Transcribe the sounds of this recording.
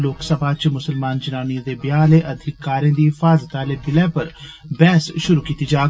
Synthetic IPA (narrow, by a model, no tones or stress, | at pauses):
loːksəbʱaːt͡ʃmʊsəlmaːnd͡ʒənaːnĩd̪eːbjaːleːʔɐd̪ʱɪkːaːɾẽːd̪iːfaːzət̪aleːbɪlɛ̃ːpɐɾbɛːsʃʊɾukiːt̪id͡ʒaː